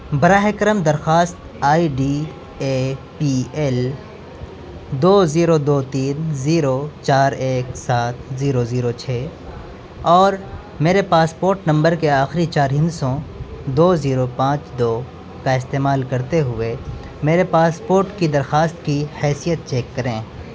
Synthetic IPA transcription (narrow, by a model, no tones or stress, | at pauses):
bɐɾaːɦekɾəmd̪ɐɾxaːst̪ | aːiɖi | epiɛl | d̪oːziːɾod̪oːt̪iːnziːɾot͡ʃaːɾeːksaːt̪̚ʰziːɾoziːɾot͡ʃʰɛː | ɔːɾ | meːɾepaːspoːɾʈnɐ̃mbəɾkeaːxɾit͡ʃaːɾɦɪ̃nsõd̪oːziːɾopãːt͡ʃd̪oː | kaɪst̪eːmaːlkɐɾt̪eɦʊe | meːɾepaːspoːɾʈkid̪ɐɾxaːst̪kihɛːsijət̪̚t͡ʃɛːkːɐɾẽː